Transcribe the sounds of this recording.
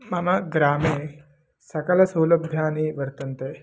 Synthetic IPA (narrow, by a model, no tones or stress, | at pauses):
mɐmɐɡɾaːme | sɐkɐlɐsɐwlɐbʱjaːniːʋəɾt̪ənt̪e